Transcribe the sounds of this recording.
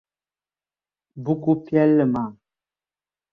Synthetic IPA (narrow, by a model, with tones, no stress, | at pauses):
bu˦ku˦pjɛ˦lːə˨ma˨